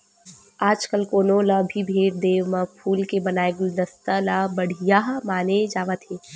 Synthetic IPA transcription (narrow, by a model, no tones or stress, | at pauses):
aːd͡ʒkəlkoːnolabʱibʱeːɾd̪eːʋmãpʰuːlkebɐnaːeɡud̪ɐst̪alabɐɽ̤ijaːɦmaːned͡ʒaːʋət̪ɦeː